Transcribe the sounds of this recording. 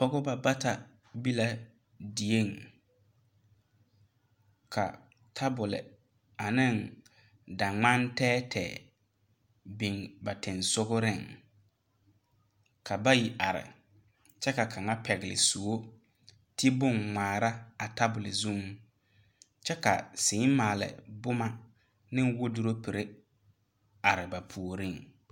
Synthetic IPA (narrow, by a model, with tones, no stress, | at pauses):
ɔ˦ɣʊ˦ba˨ba˦ta˨ | bi˦la˨ | di˨e˦˨ŋ | kʰa̰˨ | tʰa˦bʊ˨lɪ̰˨ | a˨nɪ˦˨ŋ | da˨ŋ͡ma˦ntɛː˦tʰɛ̰ː˨ | bɪ˨ŋba˨tɪ˨nsʊ˦ɡʊ˦ɾɪ˦˨ŋ | kʰa˨ba˦ji˨ʔa˨ɾɪ̰˨ | t͡ʃɛ˦ka˨kʰa˨ŋa˦pʰɛ˨ɣɪ˨lɪ̰˨su˨o˦ | tʰi˦bʊ˦˨ŋŋaː˨ɾa˦a˨ta˦bʊ˨lɪ˨zu˦ŋ | t͡ʃɛ˦ka̰˨sɪː˨˦maː˨lɪ̰˨bʊ˦ma˦ | nɪ˦ŋwo˦du˦ɾo˦pi˨ɾe˦ | a˨ɾɪ˨ba˨pʰu˨o˨ɾɪ˦˨ŋ